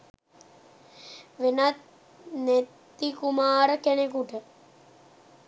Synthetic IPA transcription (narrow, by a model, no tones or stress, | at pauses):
ʋenat̪ | net̪ː | ikumaːɾəkenekuʈə